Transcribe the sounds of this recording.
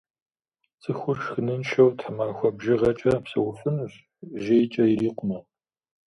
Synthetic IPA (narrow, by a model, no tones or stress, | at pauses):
t͡sʼɨxʷʊrʃxɨnɨnʃɐwtħəmaːxʷɔbʒɪʁɐt͡ʃʼɐpsɐ̰wʊfɨnɕ | ʒejt͡ʃʼɐjiɾiːqʷʊmɐ